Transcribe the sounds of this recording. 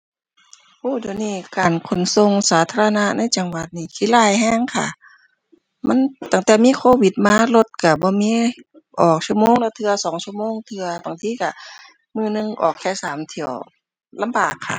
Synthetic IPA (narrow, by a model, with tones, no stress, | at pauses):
huː˧˩˨di˨˩niː˧˩kaː˨˩nkʰo˨˩nso˧ŋsaː˨˦t̪ʰaː˧a˧na˧na˧˥˨jt͡ɕa˨˩ŋwa˧˦t̪̚niː˧˩kʰiː˧˥˨laː˧˩jhɛː˧˥˨ŋkʰa̰˧˩ | ma˧˥˨nt̪a˧˩ŋt̪ɛː˨˩miː˧˥˨kʰoː˧wi˧˦t̪̚maː˧˥˨lo˧t̪̚ka˧˩bɔː˧˦miː˧˥˨ | ʔɔː˨˩k̚su˧˨moː˧˥˨ŋlɛː˧˩t̪ʰɯ˧ɐsɔː˨˦ŋsu˧əmoː˧˥˨ŋt̪ʰɯ˧ɐbaː˨˩ŋt̪ʰiː˧˨ka˧˩ | mɯː˧˩nɯ˧˨ŋʔɔ̰ː˨˩kʰɛː˧˩˨saː˨˦mt̪ʰi˧˩ɐəw | la˧mbaː˨˩kʰːa̰˧˩